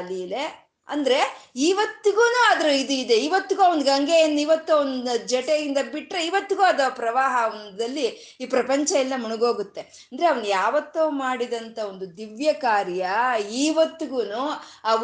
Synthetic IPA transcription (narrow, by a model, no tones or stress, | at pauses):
lile | ɐ̰nd̪ɐɾe̞iːʋɐt̪ːuɡuːnuːɐd̪ɐɾuid̪uid̪eiʋɐt̪ːuɡuɐond̪uɡɐŋɡejɐnːuiʋɐt̪ːuond̪ud͡ʒɛʈeɡind̪ɐbiʈɾeiʋɐt̪ːuɡuɐd̪ɐpɾɐʋaːɦɐʋɐnd̪ɐlːi | iːpɾɐpɐɲt͡ʃɐilːɐmuɳuɡo̞ːɡut̪ːe̞ | ɐnd̪ɐɾeɐʋɐnujaːʋɐt̪ːumaːɽid̪ɐnt̪ʰɐo̞nd̪ud̪iʋjɐkaːɾjɐiːʋɐt̪ːuɡuːnuɐ